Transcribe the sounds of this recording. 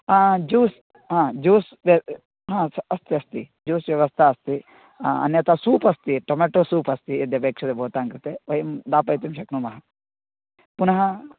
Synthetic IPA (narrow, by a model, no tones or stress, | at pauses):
aːd͡ʒuːs | ɦãːd͡ʒuːs | ʋɐ | ɦãːsɐst̪iɐst̪i | d͡ʒuːsʋjɐʋɐst̪ʰaɐst̪i | ɐ̰njɐt̪asuːpɐst̪iʈomeʈosuːpɐst̪iid̪jɐbeːkʂʰɐd̪ebʱoːt̪aːŋkɾit̪eʋɐjɐmd̪aːpɐjt̪imʃɐknumɐɦɐ | punɐɦɐ